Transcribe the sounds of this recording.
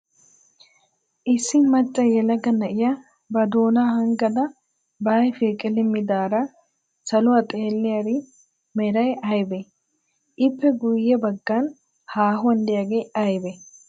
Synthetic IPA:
ʔɪsːɪnmɐt͡ʃʼːɐjɛlɐɡɐnɐʔɪja | bɐd̪oːnaːhɐŋɡɐd̪ɐ | baːjfikʼɪlɪmːɪd̪aːɾɐ | sɐlʊɐt̪ʼeːlːɪjɐɾɪ | mɛɾɐjɐjbe | ʔɪpːɛɡʊjːɛbɐɡːɐn | haːɦʊɐnd̪ɪjaːɡejɐjbɛ

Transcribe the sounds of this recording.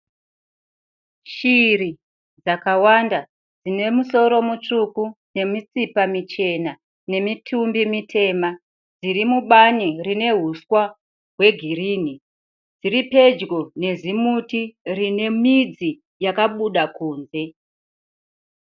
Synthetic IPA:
ʃiri | d͡zakawanda | d͡zine̞muso̞ɾo̞mut͡ʂukune̞mit͡sipamit͡ʃe̞na | ne̞mitʰumbimitʰe̞ːma | d͡zirimuɓanirine̞ɦuswa | ɦwe̞ɡʱiriːn̤i | d͡ziɾipe̞d͡ʒɡo̞ne̞zimutirine̞mid͡zi | jakaɓuɗakuːnze̞

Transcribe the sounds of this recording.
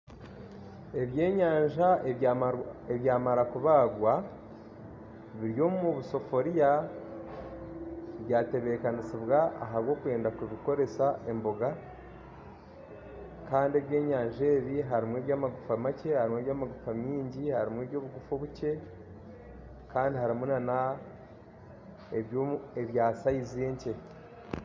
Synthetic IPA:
e̞βje̞ːɲaːɲʒae | eβjaːmaɾakuβaːɡwa | βiɾjo̞ːmmuβuso̞fo̞ɾija | βjaːte̞βe̞kanisiβɣa̰ːɦaβɡo̞ːkuwe̞ːndakuβiko̞ɾe̞saʔe̞mbo̞ɡa | kaːndie̞βje̞ːɲaːɲʒe̞ːβiɦaɾimwe̞ːβjaːmaɡufamace̞haɾimweβjaːmaɡufamiːɲɟihaɾimwe̞ːβjo̞ːβuɡufoβuce̞ | kaːndiɦaɾimunana | eβjoe̞βjaːsaizieɲce̞

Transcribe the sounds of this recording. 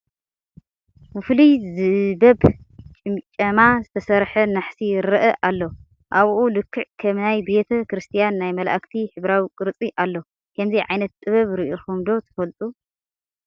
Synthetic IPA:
wɨflizɨbɐb | t͡ʃʼɨmt͡ʃʼɐmazɨt̪ʰɐsɐɾħɐnaħsiɾɨʔɐʔalːo̞ | ʔaβʔulɨkʰːɨʕkʰɐmnajbe̞t̪ʰɐkɾɨst̪ʰijanːajmɐla̰ʔkt̪ʰiħɨβɾawikʼɨɾɨt͡sʼiʔalːo̞ | kʰɐmziʕajnɐt̪t̪ʼɨβɐβɾiʔoxumd̪o̞t̪ʰɐ̥fɐlt̪ʼu

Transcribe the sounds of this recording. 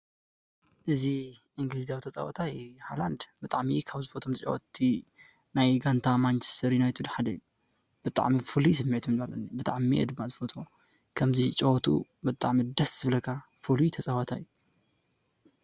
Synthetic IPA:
ʔɨziʔɨŋɡlizawit̪ɐt͡sʼa̰wɐ̰t̪ʰajhajland̪bɨt̪ʼaʕmikʰaβzɨfot̪ʰomt̪ʰt͡ʃʼoʔot̪ʰːi | najɡant̪ʰamant͡ʃʰɛ̥st̪ʰɐɾinajt̪ʰud̪ħad̪ɐju | b̥ɨt̪ʼa̰ʕmifulis̬ɨmːit̪ʰumnbalɐnibɨt̪ʼa̰ʕmiʔɛ̰d̪ɨmːazɨfot̪ʰo | kʰɐmzit͡ʃʼowɔt̪ʰṵbɨt̪ʼaʕmid̪ɐszɨβlɐkʰa | fulut̪ʰɐt͡sʼawɐt̪ʰajːu

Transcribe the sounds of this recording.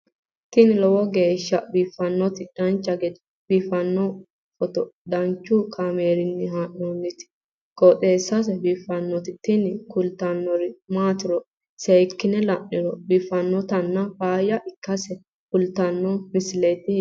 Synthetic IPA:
t̪ɪnɪlɔwɔɡe̞ːʃːɐbiːfɐnːɔt̪ɪd̪̥ɐnt͡ʃːɐɡɛd̪ | b̥iːfɐnːɔ | fɔt̪ɔd̪ɐnt͡ʃːʊkʰaːmeːɾɪnːɪɦaːʔoːnːɪt̪ɪ̥ | kʼɔt̪ʼeːsːɐs̬ɛbiːfɐnːɔt̪ɪt̪ɪnɪkʊlt̪ɐnːɔɾɪmaːt̪ɪɾɔ | sejkːɪnɛlɐʔːɪɾɔbiːfːɐnːɔt̪ɐnːɐfaːjɐʔɪkːɐsɛ | kʊlt̪ɐnːɔmɪsɪlɛt̪ɪ

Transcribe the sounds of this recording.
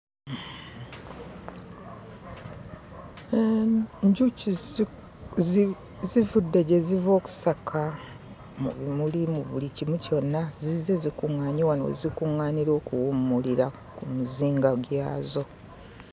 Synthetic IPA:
eɲɟuci | zivudːeɟe̞zivo̞ːku̥sakʰa | mṵβimulimuβulicimuco̞nːazize̞zikuŋːaːɲiwanwḛzikuŋːaːniɾo̞ːkuwumːuliɾa | kumuziːŋɡaɡjaːzo̞

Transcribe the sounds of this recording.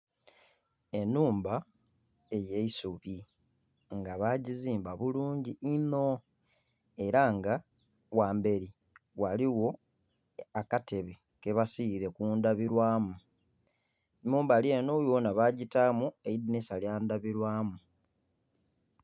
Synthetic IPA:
e̞nːuːmba | ejeisuβi | ŋɡaβaɟiziːmbaβuluːɲɟiːno | e̞ɾaŋɡa | waːmbe̞ɾi | waliwo̞ | akate̞βe | ke̞βasiɾe̞kuːndaβiɾwaːmu | nuːmbaleːnojonaβaːɟitamueidinisaljaːndaβiɾwaːmu

